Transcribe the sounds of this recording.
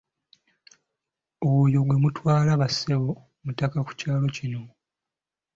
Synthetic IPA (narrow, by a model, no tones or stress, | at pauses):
ojoɡwe̞mutwaːlaβasewo | mutakaku̥caːlo̞cino̞